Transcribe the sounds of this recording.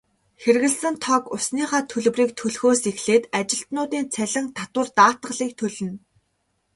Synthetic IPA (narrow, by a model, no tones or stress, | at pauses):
xerɣɘ̆ɮsɘ̆nt̪ʰɔkʊsniːχaːt̪ʰɵɮ̆wriːk̚t̪ʰɵɮxoːsexɮeːt̪at͡ɕɪ̆ɬt̪nʊːt̪iːnt͡sʰæɮʲɪ̆ŋt̪ʰat̪wə̆rt̪aːt̪ə̆ɢə̆ɮiːk̚t̪ʰɵɮɵ̆n